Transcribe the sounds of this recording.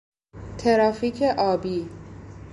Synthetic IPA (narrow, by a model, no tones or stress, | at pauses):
t̪ʰeɾɒːfiːcʰeʔɒːbiː